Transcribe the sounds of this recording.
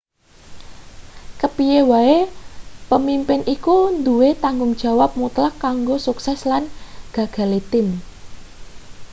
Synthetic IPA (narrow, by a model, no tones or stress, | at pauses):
kəpijewaepəmimpɪnʔikund̪uwet̪aŋɡʊŋd̥ʒ̥ä̤wap̚mut̪lakːaŋɡosuksɛslanɡ̥ä̤ɡ̥a̤let̪ɪm